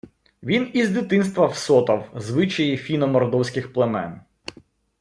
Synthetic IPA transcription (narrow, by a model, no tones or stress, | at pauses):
ʋʲinizd̪ʲɪt̪ɪnst̪ʋɐwsɔt̪ɐwzʋɪt͡ʃɐjifʲinɔmɔrd̪ɔwsʲkɪxplˠemɛ̰n